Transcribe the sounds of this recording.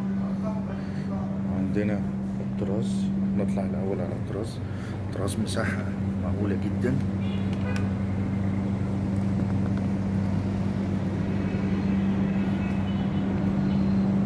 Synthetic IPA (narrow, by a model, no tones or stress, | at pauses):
ʕand̪ɪnæ | t̪ːɨɾˤɑːsˤnɨt̪ˤlɑʕɪlʔæwːælʕalæt̪ːɾˤɑːsˤ | t̪ːɾˤɑːsˤmʊsaħːa | maʕɡuːlæɡɪd̪ːæn